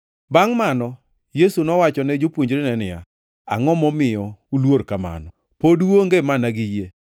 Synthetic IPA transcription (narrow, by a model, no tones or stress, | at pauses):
baŋmanɔ | jesunɔwat͡ʃɔnɛd͡ʒopwoɲd͡ʒɾenɛnɪa̰ | a̰ŋɔmɔmɪjɔulwoɾkama̰nɔ | podoŋɡemanaɡɪje